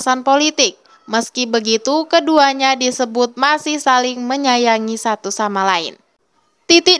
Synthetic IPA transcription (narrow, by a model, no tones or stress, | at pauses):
sanpolit̪ɪk̚ | məskibəɡit̪ukəduaɲadisəbʊt̪̚masɪhsalɪŋməɲajaŋisat̪usamalaɪ̰n | t̪it̪ɪ